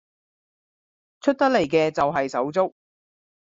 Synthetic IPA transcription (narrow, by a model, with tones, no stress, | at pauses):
t͡ʃʰɵ˥t̚t̪ɐ˥le˨˩jkɛː˧t͡sɐ˨wɦɐ˨jsɐ˨˥wt͡sʊ˥k̚